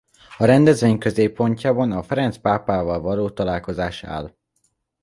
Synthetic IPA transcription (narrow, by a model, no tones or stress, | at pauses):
ɒɾɛnd̪ɛzʋeːɲkø̞zeːpːo̞ɲcaːbɒnɒfɛɾɛnt̪spaːpaːvɒlvɒloːt̪ɒlaːlko̞zaːʃa̰ːl